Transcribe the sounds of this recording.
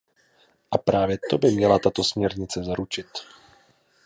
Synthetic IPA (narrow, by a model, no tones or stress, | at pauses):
ʔapɾaːvjɛt̪obɪmɲɛlat̪at̪o̞smɲɛɾɲɪt͡sɛzaɾut͡ʃɪt̪